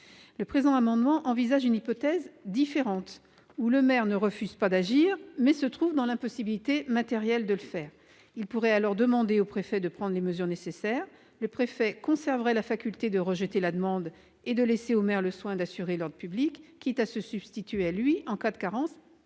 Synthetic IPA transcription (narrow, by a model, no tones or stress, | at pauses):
ləpχezɑ̃amɑ̃d̪mɑ̃ʔɑ̃vizaʒynipɔt̪ɛzd̪ifeʁɑ̃t̪ | uləmɛʁnəʁəfyz̥pad̪aʒiʁmɛsət̪χuvd̪ɑ̃lɛ̃pɔsibilit̪emat̪ɛʁjɛld̪ələfɛːʁ | ilpuʁɛalɔʁd̪əmɑ̃d̪eopχefɛd̪əpχɑ̃d̪ʁleməzyʁnesesɛʁ | ləpχefɛkɔ̃sɛʁvʁɛlafakʲylt̪ed̪əʁəʒət̪elad̪əmɑ̃d̪ | ed̪əleseomɛʁləswɛ̃d̪asyʁelɔʁd̪ʁəpyblikːiɛt̪asəsyb̥st̪it̪ɥeɛalɥiɑ̃kad̪əkaʁɑ̃s